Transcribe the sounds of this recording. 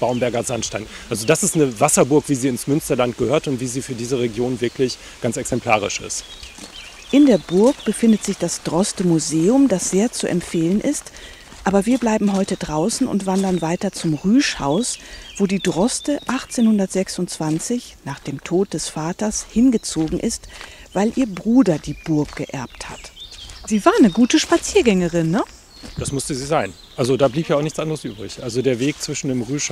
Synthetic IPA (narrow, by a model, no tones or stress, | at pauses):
b̥aʊmbɛɐɡɐzanʃtaɪnʔalzodasɪstnəvasɐbʊɐkv̥iːziːɪnsmʏnstɐlant̚ɡ̥əhøːɐtʊntv̥iːziːfyːɐdiːzəʁeɡjoːnvɪɐklɪç | ɡ̥ansɛksɛmpʰl̥a̰ːʁ̞ɪ̰ʃɪ̰st | ʔɪndeːɐbʊɐkb̥əfɪndətz̥ɪçd̥asd̥ʁɔstəmuzeːʊmdasz̥eːɐt͡suʔɛ̰mfeːlənʔɪst | ʔaːbɐviːɐblaɪbm̩ɦɔʏtədʁaʊsn̩ʊ̰ntv̥andɐnvaɪtɐt͡sʊmʁyːʃha̰ʊsv̥oːdiːdʁɔstəʔaχt͡seːnhʊndɐtz̥ɛksʊntt͡sv̥ant͡sɪçnaːχd̥eːmtʰoːt̚d̥ɛsfaːtɐshɪnɡət͡soːɡŋ̩ʔɪstv̥aɪlʔiːɐbʁuːdɐdiːbʊɐkɡ̥əʔɛɐp̚thatziːvaːɐnəɡuːtəʃpat͡siːɐɡɛŋəʁɪnːə | d̥asmʊstəziːzaɪn | ʔalzodaːbliːpjaːʊnɪçt͡sʔandəʁəsʔyːbʁɪ̰çʔalzodeːɐveːk̚t͡sv̥ɪʃn̩deːmʁyːʃ